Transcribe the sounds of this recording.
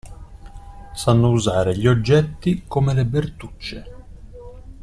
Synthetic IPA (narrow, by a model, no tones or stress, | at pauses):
sanːouzaːɾeʎiod͡ʒːɛt̪ːikomelebert̪ut͡ʃːe